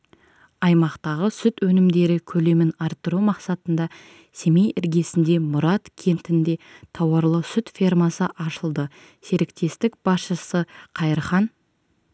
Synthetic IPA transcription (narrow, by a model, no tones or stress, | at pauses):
ɑjmɑqt̪ɑʁəsʏt̪wɵnɪmd̪e̞ɾɪkʲʰɵle̞mɪnɑɾt̪ːəɾumɑqsɑt̪ənd̪ɑ | se̞me̞jɪɾɡʲe̞sɪnd̪e̞mʊɾɑt̪kʲʰe̞nt̪ɪnd̪e̞t̪ʰɑwɑɾlˠəsʏt̪fʲirmɑsəʔɑʃəlˠd̪ə | se̞ɾɪkt̪e̞st̪ɪk̚b̥ɑsʃəsəqʰɑjəɾχɑn